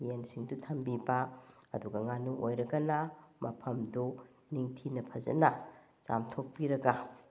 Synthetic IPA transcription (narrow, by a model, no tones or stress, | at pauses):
jensiŋdutʰɐmbibaɐduɡɐŋanuʔojɾɐɡɐnɐmɐpʰɐmdu | niŋtʰinɐpʰɐzɐ̰nɐ | sa̰mtʰok̚piɾɐɡa